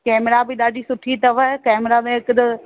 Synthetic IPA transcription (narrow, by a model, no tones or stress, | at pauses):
kɛːmɾabʱiɗ̪aːɖisʊʈʰːit̪ɐʋakɛːmɾamẽɪkd̪